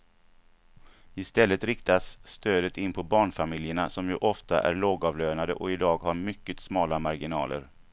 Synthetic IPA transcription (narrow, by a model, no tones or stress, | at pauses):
ɪst̪ɛlːət̪ɾɪkt̪asːt̪øːd̪ət̪ɪnːpʰɔbɑːɳfamɪljəɳasɔmjɵʔɔft̪a̰ʔæ̰ɾɭoːɡɑvløːnad̪əʔɔɪd̪ɑːɡhaɾmʏkːət̪smɑːlamaɾɡɪnɑ̰ːlə̰ɾ